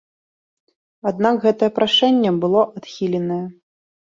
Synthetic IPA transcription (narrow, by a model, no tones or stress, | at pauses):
ad̪nakɣɛt̪ɐjɛpɾaʂɛnʲːɛbɨlˠɔʔat̪xʲilʲɛnɐjɐ